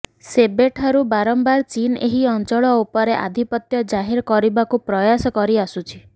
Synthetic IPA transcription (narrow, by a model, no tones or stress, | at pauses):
sebeʈʰaɾubaɾɔmbaɾt͡ʃineɦiɔnt͡ʃɔɭɔupɔɾeʔa̰d̪ʱipɔt̪jɔd͡ʒaɦeɾkɔɾibakupɾɔjasɔkɔɾiasut͡ʃʰi̥